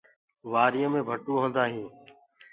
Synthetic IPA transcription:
ʋaːɾɪjə̃mẽːbʱəʈuːɦõːnd̪aːɦĩː

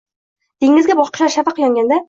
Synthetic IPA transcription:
d̪̥eŋːɪzɡʲabɒʃqɨ̥ʃaɾʃafɑqjɒŋɡʲand̪a

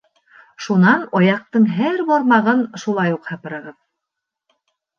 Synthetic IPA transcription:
ʃunɑnɒjɑq̚t̪ɤɴɦæɾbɒɾmɑʁɤnʃulˠɑjuqhɑpɤ̆ɾɤ̆ʁɤð

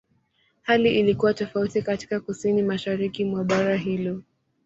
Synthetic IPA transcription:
haliʔilikuwatɔfautikati̥kakusinimaʃaɾikimwaɓaɾaɦilɔ

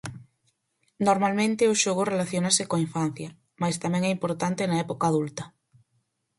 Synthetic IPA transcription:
noɾmalmẽnt̪eʊʃoɣʊrelaθjonasekoaiɱfan̟θjɐ | mast̪amɛ̃ŋɛimpoɾt̪ant̪enaɛpokaːðult̪ɐ

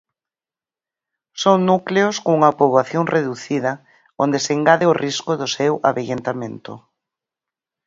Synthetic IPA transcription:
soŋnukleʊskoŋuŋɐpoβlaθjoŋreðuθiðɐ | ond̪eseŋɡaðɪʊrʔiskʊðʊsewa̰βeʎent̪amẽnt̪ʊ̰

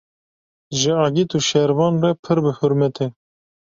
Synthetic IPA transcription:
ʒɪɑːɡit̪uːʃɛɾvɑːnrɛpʰɨɾbɨhʊɾmɛt̪ʰe

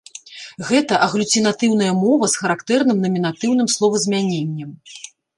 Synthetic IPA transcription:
ɣɛt̪ɐʔɐɣlʲut͡sʲinat̪ɨwn̪ɐjɐmɔvɐsxɐɾakt̪ɛrnɨmnɐmʲin̪at̪ɨwn̪ɨmslˠɔvɐzʲmʲanʲenʲːɐm

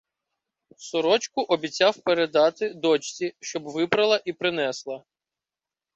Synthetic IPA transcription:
sɔɾɔt͡ʃkʊʔɔbʲit͡sʲɑwpeɾed̪ɑt̪ɪd̪ɔt͡ʃt͡sʲiʃt͡ʃɔbʋɪbɾɐlˠɐʔipɾɪnɛslˠɐ

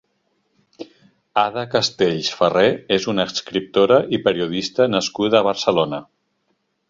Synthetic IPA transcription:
aðəkəst̪eʎsfəreezunəskɾip̚t̪oɾəʔipəɾiuð̞ist̪ənəskuðːβəɾsəlonə

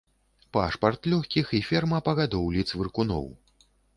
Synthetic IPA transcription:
paʂpɐrt̪lʲɔxʲkʲixifʲɛrmɐpɐɣad̪ɔwlʲit̪svɨrkunɔ̰w

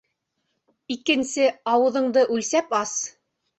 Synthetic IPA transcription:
ikɘ̆nsɘɑwɤ̆ðɤ̆ɴd̪ɤʔʉlsæpɑs

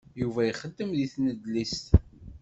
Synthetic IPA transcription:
juvæjiχəd̪ːəmðiθnəd̪list̪

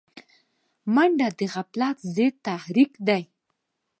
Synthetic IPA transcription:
maɳɖad̪əɣaplɑt̪zet̪ahɾikd̪aj

